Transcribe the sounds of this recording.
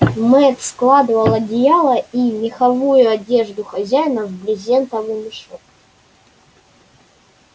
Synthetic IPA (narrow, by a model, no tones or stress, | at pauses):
mɛt̪sklˠad̪ɨvɐlˠɐdʲɪjalˠɐimʲɪxɐvujʊɐdʲe̞ʐd̪ʊxɐzʲæjnəvblʲɪzʲent̪ɐvɨmʲɪʂok